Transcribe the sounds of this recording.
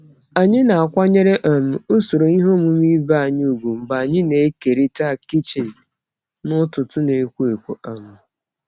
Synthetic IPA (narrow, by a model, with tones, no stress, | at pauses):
a˨ɲɪ˦na˨a˨kʷa˦ɲe˦ɾe˦ʔa˨m̩˨o˦so˨ɾo˨i˦ɦo˦mu˦m˦i˦ba˦a˨ɲ˦u˨ɡʷu˨m̩˨ba˨a˨ɲɪ˦ne˨e˦ke˨ɾi˦ta˦˨ki˦t͡ʃe˨n̩˨ | nʊ˦tʊ˨tʊ˦ne˨kʷu˦e˨kʷo˨ʔa˨mʊ˨